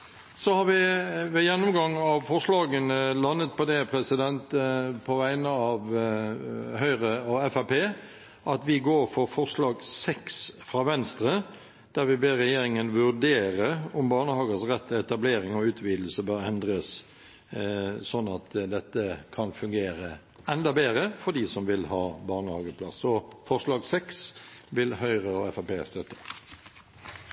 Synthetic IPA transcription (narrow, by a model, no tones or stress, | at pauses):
sɔhɑɾʋɪʋɛjɛnːʊmɡɑŋːɑʋfɔɾslɑːɡənəlɑnːət̪̚pʰɔd̪ɛpʰɾɛsɪd̪ɛnt̪pʰɔʋæɪnəɑʋ | hœʏɾəɔɛfæpeː | ʔɑt̪ʋɪɡoːɾfɔɾfɔʁslɑːɡsɛksfɾɑːʋɛnst̪ɾə | d̪̥æɾʋɪbeːɾɛjeːɾɪŋənʋʉɾd̪eːɾəʊmbɑːnəhɑːɡəsʁɛt̪ːəɛt̪ɑbleːɾɪŋɔʉːt̪ʰʋiːd̪l̩səbøːɾɛnd̪ɾəs | sɔnːɑt̪d̪ɛt̪ːəkʰɑnfʉŋɡeːɾə | ɛnd̪ɑbeːɾəfɔd̪isɔmʋɪlhɑːbɑːʁnəhɑːɡəpʰlɑ̰sːɔfɔʁslɑːɡsɛksʋɪlhœʏʁəɔɛfɑpeːst̪œt̪ːə̥